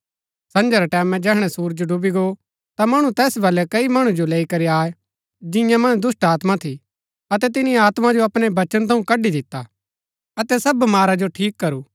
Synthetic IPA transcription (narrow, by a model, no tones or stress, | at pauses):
sɐ̃nd͡ʒəɾaʈɛːmɛ̃d͡ʒɛːɦɽ̃ɛsuːɾd͡ʒoɖʊbiɡo | t̪amɐɽ̃ũt̪ɛːsbɐlɛkɐimɐɽ̃ũd͡ʒoleːikɐɾiaːe | d͡ʒɪ̃jãmɐ̃nd̪ʊsʈaːt̪mat̪ʰi | ɐt̪ɛt̪̬ɪniaːt̪mad͡ʒoɐpɽ̃ebɐt͡ʃənt̪ʰɐ̃ũkɐɖid̪ɪt̪ːa | ɐt̪ɛsɐbmaːɾad͡ʒoʈʰiːkːɐɾuː